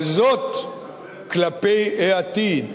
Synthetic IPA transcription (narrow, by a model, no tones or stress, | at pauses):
zot̪ | klapejʔeat̪i